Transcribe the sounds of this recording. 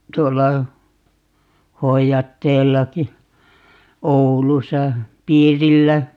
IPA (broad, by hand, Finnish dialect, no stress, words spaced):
tuolːɑ hoijɑtːeːlːɑki oulusɑ piːrilːæ